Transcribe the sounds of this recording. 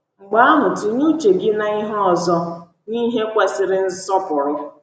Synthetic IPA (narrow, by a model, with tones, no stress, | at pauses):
ŋ͡m̩˨ɡ͡ba˦a˦ɦʊ˨tʊ˨ɲu˦t͡ʃe˨ɡɪ˦na˨i˦ɦɔ˨zɔ˦ | ni˦ɦe˦kʷe˦sɪ˦ɾɪ˦n̩˦sɔ˦pʊ˨ɾʊ˦